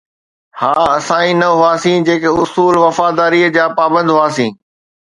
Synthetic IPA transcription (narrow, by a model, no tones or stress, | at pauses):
haːɐsãːĩnɐɦʊaːsĩd͡ʑeːkeʊsuːlʋɐfaːd̪aːɾiːəd͡ʑaːpaːbə̃nd̪ɦʊaːsĩː